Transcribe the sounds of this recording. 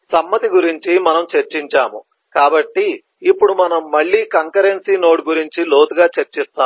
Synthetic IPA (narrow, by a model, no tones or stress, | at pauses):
sɐmːɐt̪iɡuɾiɲt͡ʃimɐnɐmt͡ʃɐɾt͡ʃiɲt͡ʃaːmṵ | kaːbɐʈːiː | pːuɽumɐnɐmːɐɭːiːkɐŋkɐɾensiːno̞ːʈɡuɾiɲt͡ʃilo̞ːt̪uɡaːt͡ʃɐɾt͡ʃist̪aː